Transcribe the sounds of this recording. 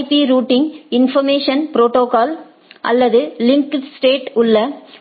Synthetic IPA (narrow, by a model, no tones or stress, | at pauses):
piɾuːʈːɪŋɪnfɐmeːʂɐnpɪɾoːʈoːkaːl | ʔɐ̰lːɐðɯlɪŋksʈeːʈʊɭːɐ